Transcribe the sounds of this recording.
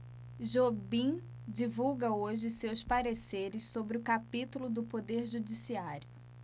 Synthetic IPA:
ʒobĩ | d͡ʒivuwɡɐoʒɪsewspaɾeseɾɪssobɾɪʊkapit̪ulʊd̪ʊpod̪eɾʒud͡ʒisiaɾjʊ

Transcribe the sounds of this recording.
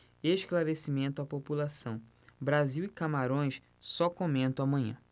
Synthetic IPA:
eʃklaɾesimẽnt̪ʊapopulasɐ̃w̃ | bɾaziwɪkamaɾõj̃s | sɔkomẽnt̪ɐ̃w̃amɐ̃ɲɐ̰̃

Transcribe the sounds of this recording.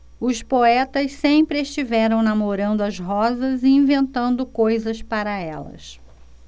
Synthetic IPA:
ʊspoɛt̪ɐssẽpɾɪest͡ʃivɛɾɐ̃w̃nɐmoɾɐ̃nd̪ʊɐzɦɔzɐziĩvẽnt̪ɐ̃nd̪ʊkojzɐspaɾɐɛlɐ̰s

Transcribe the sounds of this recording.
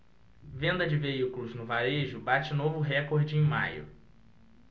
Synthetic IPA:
vẽnd̪ɐd͡ʒɪveikulʊznʊvaɾeʒʊbat͡ʃɪnovʊɦɛkoɾd͡ʒɪẽj̃majʊ̰

